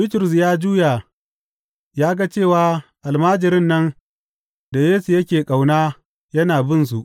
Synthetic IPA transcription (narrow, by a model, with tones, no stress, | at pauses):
bɪ˦tɪ˨ɾʊ˨s̬jaː˦d͡ʒuː˦ja˨ | jaː˦ɡa˦t͡ʃeː˦˨waː˨˦ʔa˨lmaː˦d͡ʒɪ˨ɾɪ˦nːɐ˦n | da˨jeː˦su˨jɐ˦kʲeː˨kʼa˨wnaː˦ | jɐ˦naː˨bɪ˦˨ns̬u˨ʔ